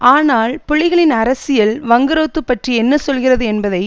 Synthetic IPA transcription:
aːnaːlpʊɭːɪɣɐɭɪnɐɾɐsɪjɐlʋɐŋɡɐɾoːt̪ːɯpːɐʈriɛnːɐsɔlɣɪrɐðɯɛnbɐðɐɪ

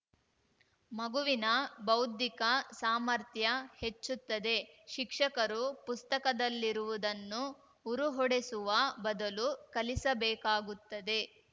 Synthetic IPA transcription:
mɐɡuʋinɐbɐwd̪ikɐsaːmɐɾt̪ʰjɐhe̞t͡ʃːut̪ːɐd̪e̞ʃikʂɐkɐɾupust̪ɐkɐd̪ɐlːiɾuʋud̪ɐnːuː | ɾuɦɔɽesuʋɐbɐd̪ɐlukɐlisɐbɛːkaːɡut̪ːɐd̪e̞

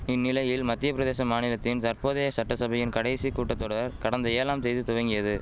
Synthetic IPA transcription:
ɪnːɪlɐjɪlmɐt̪ːɪjɐpɪɾɐðeːsɐmaːnɪlɐt̪ːɪnt̪ɐɾpoːðeːjɐsɐʈːɐsɐbɐjɪnkɐɽɐɪsikuːʈːɐt̪ːɔɽɐɾkɐɽɐnd̪ɐeːlaːmsɛjðɯt̪ʊʋɐŋɡɪjɐðɯ

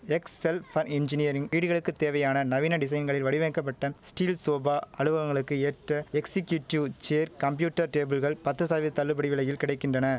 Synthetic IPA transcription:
ɛksɛlfɐnɪnd͡ʒɪnɪjɐɾɪŋiːɽɯɣɐɭɯkːɯt̪ːeːʋɐjaːnɐnɐʋɪnɐɖɪs̬ɐɪnɡɐɭɪlʋɐɽɪʋɐːkːɐp̬ːɐʈːɐsʈiːlsoːbaːʔɐɻɯʋɐʋɐŋɡɐɭɯkːɯeːʈrɐɛksɪkjuʈːjuːt͡ʃeːɾkɐmpjuːʈːɐɾʈeːbɯlɣɐɭpɐt̪ːɯsaːʋɯt̪ɐɭːɯpbɐɽɪʋɪɭɐjɪlkɪɽɐɪkːɪndrɐnɐ

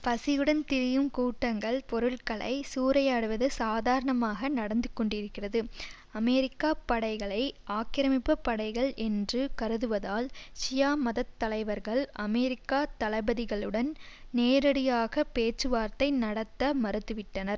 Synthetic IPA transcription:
pɐsɪjɯɽɐnt̪ɪɾɪjɯmkuːʈːɐŋɡɐɭpɔɾɯɭkɐɭɐ̰ɪsuːɾɐjaːɽɯʋɐðɯsaːðaːɾɐɳɐmaːɣɐnɐɽɐnd̪ɯkːɔɳɖɪɾɯkːɪrɐðɯ | ɐmɛɾɪkːaːpɐɽɐɪɣɐɭɐɪʔaːkɪɾɐmɪpːɐpːɐɽɐɪɣɐɭʔɛndrɯkɐɾɯðɯʋɐðaːlsɪjaːmɐðɐt̪ːɐlɐɪʋɐɾɣɐɭʔɐmɛɾɪkːaːt̪ɐlɐɪbɐðɪɣɐɭɯɽɐnneːɾɐɽɪjaːɣɐpeːt͡ʃrɯʋaːɾt̪ɐɪnɐɽɐt̪ːɐmɐɾɯt̪ːɯʋɪʈːɐnɐɾ

